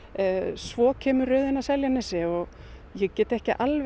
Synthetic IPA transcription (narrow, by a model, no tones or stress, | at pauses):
svɔːcʰɛːmʏrœɥðɪnasɛljanɛsɪɔɣ | jɛɣcɛːt̪ɛhcɪ̰ʔalv